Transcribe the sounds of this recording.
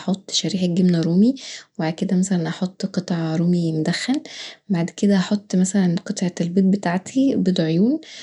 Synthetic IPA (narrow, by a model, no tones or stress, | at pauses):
ɑħot̪ˤːʃæɾiːħæɡemnæɾˤuːmiwbaʕd̪̚ked̪æmæsælænʔɑħot̪ˤːqɨt̪ˤʕɑɾˤuːmimod̪æxːælbaʕd̪ked̪æʔɑħot̪ˤːmæsælænqɨt̪ˤʕɑlbiːt̪̚bet̪aʕt̪ʰibed̪ʕojuːn